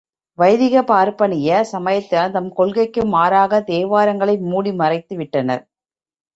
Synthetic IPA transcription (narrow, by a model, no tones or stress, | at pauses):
ʋɐjðɪɣɐpaːɾpɐɳɪjɐsɐmɐjɐt̪ːɐt̪ɐmkɔɭɣɐɪkːɯmaːɾaːɣɐt̪eːʋaːɾɐŋɡɐɭɐɪmuːɽimɐrɐɪt̪ːɯʋɪʈːɐnɐ̰ɾ